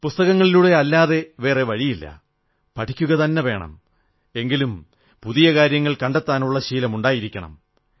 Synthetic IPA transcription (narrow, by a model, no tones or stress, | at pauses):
pust̪ɐɣɐŋːɐɭiluɽe̞ɐlːaːðe̞ʋe̞ːre̞ʋɐɻijilːɐ̰ | pɐʈʰikʲːuɣɐt̪ɐnːeʋe̞ːɳɐ̰m | e̞ŋɡilum | puðijɐkaːɾjɐŋːɐɭkɐɳɖet̪ːaːnuɭːɐɕiːlɐmuɳɖaːjiɾikʲːɐɳɐ̰m